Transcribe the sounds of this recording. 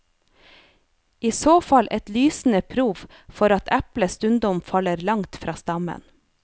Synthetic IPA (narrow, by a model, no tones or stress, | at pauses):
ʔiːsoːfɑlʔɛt̪lyːsn̩əpʰɾuːʋ | fɔɾɑt̪ʰæpləst̪ʉnd̪ɔmfɑləɾlɑŋt̪fɾʔɑːst̪ɑmə̰n